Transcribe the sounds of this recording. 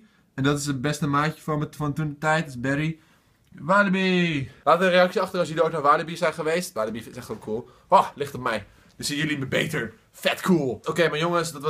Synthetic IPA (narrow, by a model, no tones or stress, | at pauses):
ɛndɔtɪsəbɛstəmaːtəfɔməfɔntundətɛjtɪsbɛɾi | ʋaːləbilaːtəərejɑksjəɑχtərɔsjidəoːknaɹʋaːləbisɛjχəʋejstʋaːləbifsɛxtʋokʰuəlˠ | olɪxtɔp̚mɛj | dəsinjəliməbeːtəɹ | fɛtkʰuəlˠokeːmajoŋəsdɔtʋ